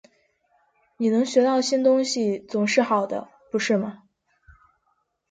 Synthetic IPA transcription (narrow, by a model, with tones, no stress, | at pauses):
ni˨˩nɤ˧˥ŋɕɥɛ˧˥t̪ɑ˥˩ʊɕi˥nt̪ʊ˥ŋɕi˨t͡sʊ˨˩ŋʂɻ̩˥˩xɑ˨˩ʊd̪ə̰˦ | pu˧˥ʂɻ̩˥˩mɐ˩